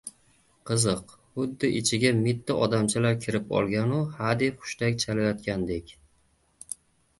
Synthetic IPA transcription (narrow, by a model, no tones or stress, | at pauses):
qʰɨzɨq | hʊd̪ːɪʔɪt͡ʃʰɪɡʲamɪt̪ʰːaʔɒd̪amt͡ʃʰalaɾkʲʰɪɾɪpɒ̰lˠɡʲanʊhad̪epχʊ̥ʃt̪akʲt͡ʃʰalajɒt̪kʲand̪e̞kʲ